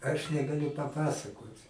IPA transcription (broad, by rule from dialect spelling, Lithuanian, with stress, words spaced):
ɐʃ nʲɛɡɐˈlʲʊ pɐˈpɑːsɐkoːtʲ